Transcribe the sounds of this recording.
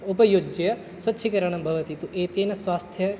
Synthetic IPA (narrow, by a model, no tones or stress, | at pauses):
upɐjod͡ʒɐjɐ | sʋɐtːʃʰikɐɾɐɳɐmbʱɐʋɐt̪it̪uʔeːt̪eːnɐsʋaːst̪ʰjɐ